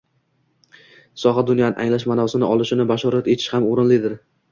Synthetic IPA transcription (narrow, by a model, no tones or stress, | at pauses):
sɒɦɑd̪ʊnjanɪʔaŋlaʃmanɒsɪnɪʔɒlˠɪʃɪnɪbaʃɒɾat̪et̪ʰɪ̥ʃhamoɾɪnlɪd̪ɪɾ